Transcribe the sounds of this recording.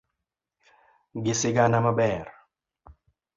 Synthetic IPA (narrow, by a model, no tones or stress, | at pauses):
ɡɪsɪɡanamabɛːɾ